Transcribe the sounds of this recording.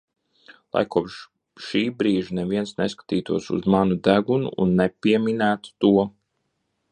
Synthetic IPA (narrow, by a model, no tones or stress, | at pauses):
lˠa̰jkuɔpʃː | iːbɾiːʒinɛviɛnsneskḁt̪iːt̪uɔsṵzmanud̪æɡunṵʔːnːepʲiɛminæːt̪u̥t̪uɔ